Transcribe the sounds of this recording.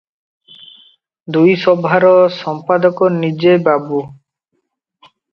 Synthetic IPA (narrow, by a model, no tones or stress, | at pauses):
d̪ujsɔbʱaɾɔsɔmpad̪ɔkɔnid͡ʒebabu